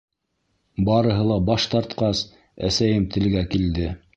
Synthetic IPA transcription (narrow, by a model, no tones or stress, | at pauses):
bɑɾɤ̆ɦɤlˠɑbɑʃt̪ɑɾt̪qɑs | æ̰sæjɘmt̪ʰɘ̆lɡækild̪ɘ